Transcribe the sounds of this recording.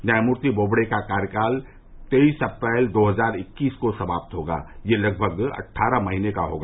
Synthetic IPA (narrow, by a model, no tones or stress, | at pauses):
njaːmuɾt̪iboːbɽekakaːɾjəkaːl | t̪eisɐpɾɛːld̪oːɦəzaːɾɪkːiːskosɐbaːp̚t̪ɦoːɡa̰ːjelɐɡ̚bʱəɡɐ̰ʈʰːaːɾəmɐɦiːnekaɦo̰ːɡaː